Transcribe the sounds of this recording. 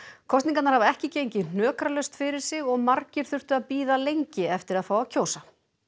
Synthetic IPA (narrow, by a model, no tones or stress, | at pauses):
kʰɔst̪niŋkat̪naɾhavaɛhcɪcejɲcɪn̥œːkɾalœɥst̪fɪɾɪɾ̥sɪɣɔɣmaɾcɪɾ̥θʏr̥t̪ʏaðpiːðalejɲcɪɛft̪ɪɾaðfaːwacʰoːwsa